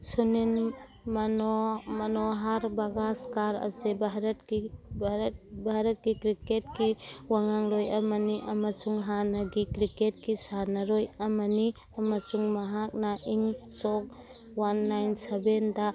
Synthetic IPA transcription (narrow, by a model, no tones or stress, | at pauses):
sunin | manɔmanɔɦaɾbaɡaskaɾa̰sebaɦɾatkibat̚bʱaɾat̚kikɾiket̚kiwaŋaŋlojamaniʔamasuŋɦanaɡikɾiket̚kisanaɾɔjamani | amasuŋmaɦak̚naʔiŋsɔk̚ | wanːajnsebenda